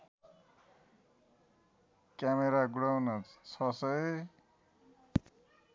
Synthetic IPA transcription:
kjameɾaɡuɽawnʌt͡st͡sʰʌsʌj

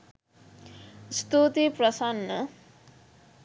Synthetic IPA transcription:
st̪ut̪ipɾɐsanːə

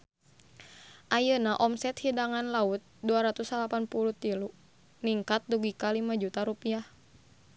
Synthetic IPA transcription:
ʔajənaʔɔmsɛt̪hidaŋanlaut̪̚duaɾat̪usalapanpulut̪ilu | niŋkat̪̚duɡikalimad͡ʒut̪aɾupiah

